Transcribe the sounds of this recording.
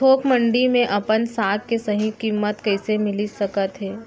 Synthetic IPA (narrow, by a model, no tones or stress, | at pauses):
oːkmə̃ɳɖimẽʔɐpənsaːk̪kesɐɦĩkiːmːət̪kɛɪsemɪlisɐkət̪ɦɛː